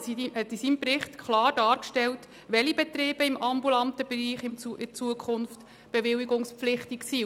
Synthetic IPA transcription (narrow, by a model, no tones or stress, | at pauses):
sihɛtisiːmpɾɪχtkχlɑːɾd̥ɑːɾkʃtɛlt | ʋɛlibɛt̪ɾeːb̥əɪmʔɑmbulɑnt̪əb̥ɾiːχɪmuɪt͡suəkχʊnft | b̥ɛʋɪliɡʊŋspflɪχtiksiː